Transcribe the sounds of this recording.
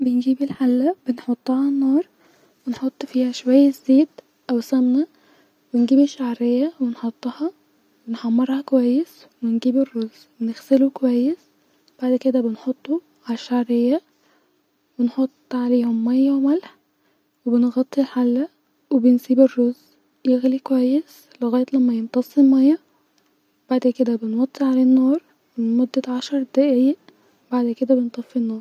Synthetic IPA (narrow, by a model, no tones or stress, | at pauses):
benɡiːbɪlħalːæbenħot̪ˤːʕalanːɑːɾˤ | wenħot̪ˤːfiːhæʃwæjːæzːeːt̪ | ʔæwsæmnæ | wɪnɡiːbiʃaʕɾɪjːæwenħot̪ˤːɑhɑ | wɪnħɑmːɑɾˤhɑkwæjːes | wenɡiːbɪrːoz | wnɪɣsɪlukwæjːes | b̥aʕd̪ked̪æbɪnħot̪ˤːu | ʕalʃːaʕɾejːæ | benħot̪ˤːʕaleːhomːæjːæwemælħ | webenɣɑt̪ˤːilħalːæ | webensiːberːoz | jeɣlikowæjːes | leɣæːjet̪læmːæjent̪ˤɑsˤelmæjːɑ | b̥aʕd̪ked̪æbenwɑt̪ˤːiʕaleːnːoːɾˤ | menmod̪ːæʕaʃɑɾˤd̪æʔiːæʔ | baʕd̪ked̪æbent̪ˤɑfːinːoːɾˤ